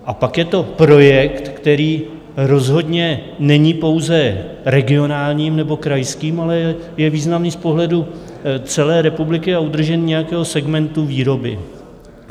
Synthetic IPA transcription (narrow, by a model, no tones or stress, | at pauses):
ʔapakjɛt̪o̞pɾo̞jɛkt̪kt̪ɛɾiː | ɾo̞zɦo̞dɲɛnɛɲiːpo̞wzɛɾɛɡɪo̞naːlɲiːmnɛbo̞kɾajskiːmalɛɛ | jɛviːznamniːspo̞ɦlɛdu | t͡sɛlɛːɾɛpublɪkɪaud̪r̩ʒɛnɲɛjakɛːɦo̞sɛɡmɛnt̪uviːɾo̞bɪ̰